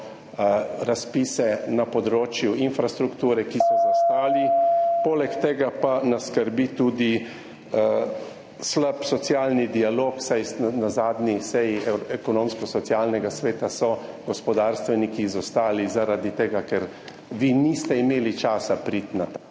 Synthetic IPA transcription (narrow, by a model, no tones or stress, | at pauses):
ɾaspiːsɛnapɔd̪ɾoːt͡ʃjuinfɾast̪ɾukt̪uːɾɛkisɔzast̪aːlipoːlɛkt̪eːɡapanaskəɾbit̪uːd̪i | slapsɔt̪sjaːlnid̪ialoːksajnazaːd̪nisɛjiɛkɔnoːmskɔsɔt̪sjaːlnɛɡasʋeːt̪asɔɡ̥ɔspɔd̪aːɾst̪ʋɛnikizɔst̪aːlizaɾad̪it̪eːɡakɛɾ | ʋinist̪ɛimeːlit͡ʃaːsapɾit̪nat̪a